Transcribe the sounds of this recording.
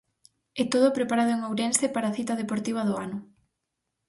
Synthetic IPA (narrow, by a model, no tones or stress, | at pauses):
ɛt̪oðʊpɾepaɾaðʊeŋawɾɛnsepaɾaθit̪ɐðepoɾt̪iβ̞ɐðʊanʊ